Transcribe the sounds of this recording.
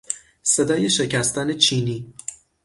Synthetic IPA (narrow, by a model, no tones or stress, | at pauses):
sed̪ɒːje̞ʃe̞cʰæst̪ɒːne̞t͡ʃʰiːniː